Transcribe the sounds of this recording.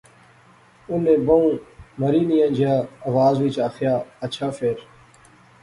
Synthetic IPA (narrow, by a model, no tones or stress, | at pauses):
unẽːbəũːməɾiːnijãnd͡ʒʱjaːɐʋaːzʋiːt͡ʃaːxjaːət͡ʃʰaːfeːɾ